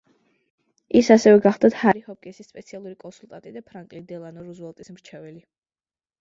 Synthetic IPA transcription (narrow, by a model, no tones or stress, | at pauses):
isasɛvɛɡaχd̪at̪haɾihɔpkʼɛsisːpʼɛt̪sʰialˠuɾikʼɔnsulˠt̪ʼant̪ʼid̪apʰɾaŋkʼilid̪ɛlˠanɔɾuzɛlˠt̪ʼismɾt͡ʃʰɛvɛli